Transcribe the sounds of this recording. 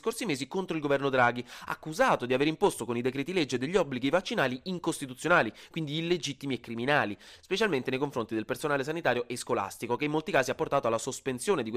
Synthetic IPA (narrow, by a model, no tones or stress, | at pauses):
skorsimeːzikont̪ɾoilɡovɛrnod̪ɾaːɡia̰ːkːuzaːt̪od̪iaveːɾimpost̪okonid̪ekɾɛːt̪ilɛd͡ʒːed̪eʎːiɔbːliɡivat͡ʃːinaːliiŋkost̪it̪ut̪sjonaːlikwind̪iːlːed͡ʒit̪ːimiekːɾiminaːlispet͡ʃalment̪enejkoɱfɾont̪id̪elpersonaːles̬anit̪aːɾjoʔeskola̰st̪ikokeimolt̪ikaːziapːort̪aːt̪oalːasospensjoːned̪ikw